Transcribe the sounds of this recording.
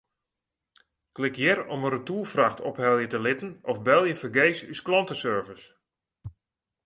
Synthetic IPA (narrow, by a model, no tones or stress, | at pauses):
klɪkjɪɾɔmərətulˠfraxtʰɔphɛlˠjətəlɪtən̩ɔfbɛlˠjəfərɡeːsysklɔntəsøɹvəs